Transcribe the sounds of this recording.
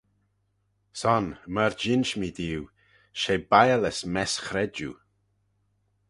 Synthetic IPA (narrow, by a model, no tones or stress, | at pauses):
sɔnməɾd͡ʒɪnʃmid̪iːw | ʃebajələsmɛsxɾɛd͡ʒṵ